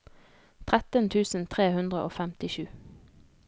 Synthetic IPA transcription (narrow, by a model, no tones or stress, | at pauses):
t̪ʰʁæt̪ənt̪ʰʉːsn̩t̪ʰʁeːhʉnd̪ʁəʔo̰ːfæmt̪ɪʃʉː